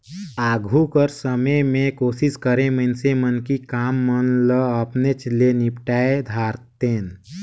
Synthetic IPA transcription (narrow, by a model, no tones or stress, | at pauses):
aːɡʱukəɾsəməjmẽkoːsɪskəɾẽməɪnsemənkikaːmːənləəpnet͡ʃlenɪpʈaːed̪ʱaːɾt̪eːn